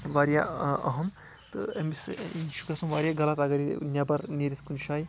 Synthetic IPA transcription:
ʋaɾjaɐ̰ɦɐm | t̪ɨemisiʃukɐsɐmʋaɾjaɡɐlɐt̪aɡɐɾinjabɐɾniɾit̪ʰkunʃaːj

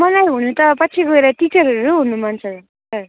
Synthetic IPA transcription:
mʌlajɦunut̪ʌpʌt͡sʰiɡoeɾaʈit͡sʌɾɦʌɾuɦunumant͡sʰʌ | sʌ

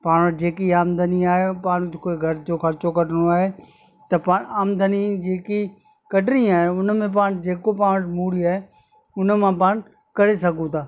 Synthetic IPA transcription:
paːɽ̃əʈd͡ʑeːkiaːmd̪ʱəniaːɦepaːɽ̃ɪkoeɡʱɐɾɪd͡ʑoxʰɐɾt͡ɕokɐɖɽ̃oaːɦe | t̪ɐpaːɽaːmd̪ʱənid͡ʑeːki | kɐɖnĩaːɦeʊnə̆mẽp̬aːɽ̃d͡ʑeːkop̬aːɽ̃əʈmuːɽiaːɦe | ʊnə̆mãpaːɽ̃ | kɐɾesɐɡʱũt̪ʰaː

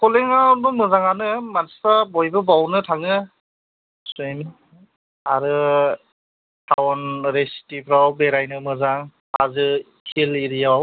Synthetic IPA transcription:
kʰɔleŋawbɯmɯzaŋanɯmanssabɔjbɯbawnɯtʰaŋɯ | sujn | aɾɯ | tʰawnɾestipʰɾawbeɾajnɯmɯzaŋ | a̰zɯ | kʰiliɾijaww

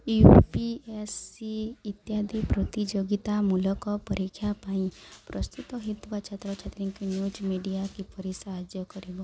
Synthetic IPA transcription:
jupiesiːt̪jad̪ʱipɾot̪id͡ʒoɡit̪amulɔkɔpɔɾikʰːjapaĩpɾɔst̪ut̪ɔɦit̪ukat͡ʃʰat̪ɾɔt͡ʃʰat̪ɾiŋkinjud͡ʒmiɖijakipɔɾisaɦad͡ʒjɔkɔɾibɔ

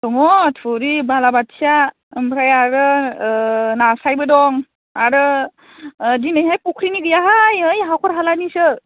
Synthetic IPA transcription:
tɔŋɔtʰuɾibalabatʰija | ɯmpʰɾajaɾɯ | nasajbɯdɔŋ | aɾɯ | dinɯjɦajpukʰɾiniɡɯjaɦajɯjɦawkʰɔɾɦalanisɯ

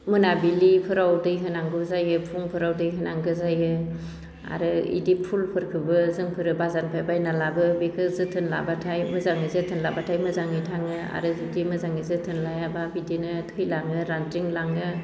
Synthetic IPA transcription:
mɯnabilipʰɯɾawdɯjɦɯnaŋɡɯzajɯpʰuŋpʰɯɾawdɯjɦɯnaŋɡɯzajɯ | a̰ɾɯḭdipʰulpʰɯɾkʰɯbɯzɯŋpʰɯɾɯbazanpʰajbajnalabɯbikʰɯzɯtʰɯnla̰batʰajmɯzaŋɯzɯtʰɯnlabatʰajmɯzaŋɯjtʰaŋɯa̰ɾɯzudimɯzaŋɯzɯtʰɯnlajababidinɯtʰɯjlaŋɯɾantɾiŋlaŋɯ

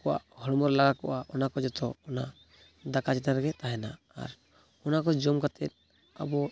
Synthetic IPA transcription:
kɔʔa̰ʔhɔɽmɔɾlaɡakɔ̰ʔaʔɔnakɔd͡ʒɔt̪ɔːna | d̪akat͡ʃɛt̪əɾɡɛt̪aɦɛna̰ː | ɾ | ɔnakɔd͡ʒɔmkat̪ʰɛt̪̚ | a̰bɔ

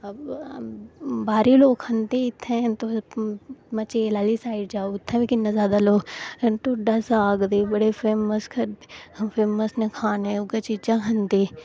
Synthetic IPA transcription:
ɐb | baːɾiloːkhɐ̃nt̪eɪt̪ʰːɛ̃t̪o | mɐt͡ʃeːlaːlisaːɪɖd͡ʒaːoʊt̪ʰːɛ̃ʋeːkɪnːɐzjaːd̪aloːkt̪oɖɐsaːɡd̪eːbɐɽefʰɾeːməskʰɐɾɐpʰɾeːməsnekʰaːnẽʊɡɐt͡ʃɪd͡ʒaɦɐnd̪e

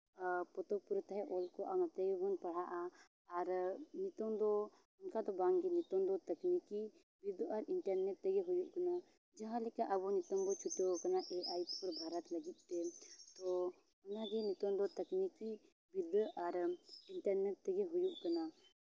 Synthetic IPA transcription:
pɔt̪ɔpuɾt̪ɦɛʔɔlkɔʔamat̪eɡɛbɔnpɐɽ̤aʔaː | ɾnit̪ɔmd̪ɔ | ʊnkad̪ɔbãŋɡinit̪ɔnd̪ɔt̪ɐkniki | bid̪ɔɾiɳʈəɾnɛʈ̚t̪ɛɡɛɦujuʔkɐna | d͡ʒaɦãlikaʔɐbɔnit̪ɔŋɡ̪ɔt͡ʃʰuʈokɐnaʔeʔait̪pɔɾbʱaːɾət̪lɐɡit̪̚t̪ɛt̪ɔ | ʊnaɡɛnit̪ɔnd̪ɔt̪ɐkniki | bid̪ʱaɾɪɳʈəɾnɛʈ̚t̪ɛɡɛɦujuʔkɐna

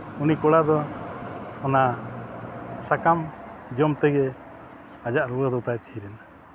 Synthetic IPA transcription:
unikɔɽad̪ɔ | ɔna | sakamd͡ʒɔmt̪ɛɡɛ | ad͡ʒaʔɾuwəd̪ɔt̪ajt̪ʰiɾɛna

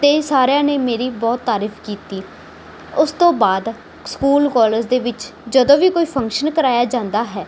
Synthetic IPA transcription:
t̪eːsaːɾjãːneːmeːɾiːbɔːt̪ːaːɾipʰkiːt̪iː | ʊst̪õːbaːd̪ | skuːlkɔːləɾzd̪eːʋɪt͡ʃd͡ʒəd̪õːʋiːkoːiːpʰə̃ŋkʃənkəɾaːjaːd͡ʒãːnd̪aːɦɛː

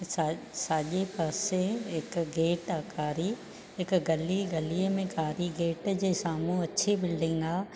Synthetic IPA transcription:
sasaːʄepaːsẽɦɪkɡeːʈaːkaːɾi | ɦɪkɡɐliɡɐliəmẽkaːɾiɡeːʈd͡ʑeːsaːmũɐt͡ɕʰibɪlɖɪ̃ŋɡaː

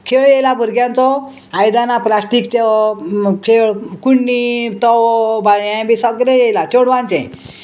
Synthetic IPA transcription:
kʰeɭjejlabʱəɾɡjãnt͡sɔ | ajd̪anaplasʈikt͡ɕe | kʰeɭkuɳːit̪ɔwbajjãbisəɡɾejejlat͡ɕoɽʋãnt͡ɕɛ̰̃

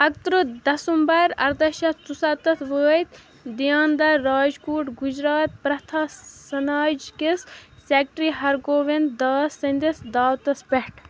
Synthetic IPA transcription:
ɐk̚t̪ɾɨd̪ɐsumbɐɾɐ̰ɾd̪ɐʃɐt͡susɐt̪ɐsʋəːt̪ | d̪ijaːnd̪ɐːaːd͡ʒkuːʈɡud͡ʒɾaːt̪̚pɾɐt̪ʰaːsɐnaːd͡ʒkissek̚ʈɾiːɦɐɾɡoːʋend̪d̪aːsɐnʲd̪isd̪aːwt̪ɐspeʈ

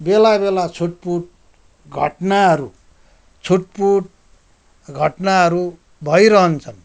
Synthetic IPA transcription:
belabelat͡sʰuʈ̚puʈ̚ | ɡʱʌ̰ʈnaɦʌɾu | t͡sʰuʈ̚puʈ̚ | ɡʱʌʈnaɦʌɾu | bʱʌjɾʌɦʌnt͡sʰʌn

